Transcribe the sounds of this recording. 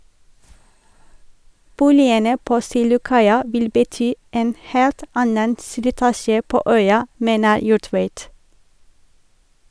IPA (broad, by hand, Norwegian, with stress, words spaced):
ˈbuːlɪənə ˈpoː ˈsiːlʊˌkɑɪɑ ˈʋɪl bəˈtyː ˈʔeːn ˈheːlt ˈɑnən slɪˈtɑːʃə ˈpoː ˈœʏɑ ˈmeːnə ˈjuːˌʈʋeɪt